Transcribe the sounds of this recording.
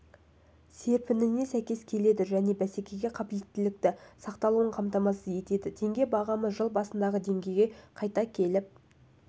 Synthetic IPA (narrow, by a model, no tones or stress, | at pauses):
se̞ɾpɪnɪne̞sæjkʲe̞skʲʰe̞le̞d̪ɪʒæne̞bæse̞kʲe̞ɡʲe̞qʰɑpɪlet̪ːɪlɪk̚t̪ɪsɑqt̪ɑlˠuəɴqʰɑmt̪ɑmɑsəje̞t̪e̞d̪ɪt̪ʰe̞ŋɡʲe̞bɑʁɑməzʒəlˠbɑsənd̪ɑʁəd̪e̞ŋɡʲe̞jɡʲeqʰɑjt̪ɑkʲʰe̞lɪp̚